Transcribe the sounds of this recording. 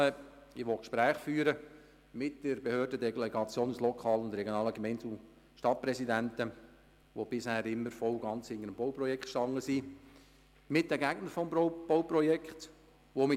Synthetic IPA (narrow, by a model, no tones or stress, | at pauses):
ɪʋɔkʃpɾæːχfyːɾə | mɪt̚d̥əɾbehøːrdədɛlɛɡɑt͡sjoːnuslɔkʰɑːləʊnd̪ɾɛɡjonɑːləɡmɛɪntu | ʃtɑt̚pɾɛsidæntə | ʋob̥ɪshæːɾɪmːəɾfɔwɡɑnt͡shɪnəɾəmbɔwprɔjɛkχtʃtɑŋːəsi | mɪt̚d̥əɡæɡnəɾfɔmb̥ɔʊprɔjɛkχt̪ | ʋomɪ